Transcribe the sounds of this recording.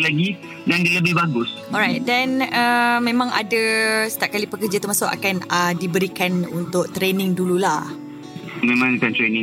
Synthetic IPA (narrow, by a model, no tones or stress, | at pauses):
laɡi | dandələbɪhbaɡʊs | ɔɾajt̚dɛnəmẽmãŋʔa̰dasə̥t̪aʔp̚kalipəkərd͡ʒat̪ərmasʊʔa̰kanədibəɾikanunt̪ʊk̚t̪ɾenɪ̃ŋdululah | mẽmãŋkant̪ɾenɪ̃